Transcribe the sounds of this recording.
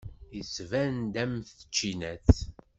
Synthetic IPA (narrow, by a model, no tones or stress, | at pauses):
əsvænd̪æmθə̥t͡ʃːinæθ